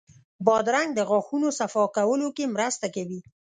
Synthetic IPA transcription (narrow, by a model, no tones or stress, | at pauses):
bɑd̪ɾaŋɡ̚d̪əɣɑxunosafɑkawəlokemɾəst̪akawi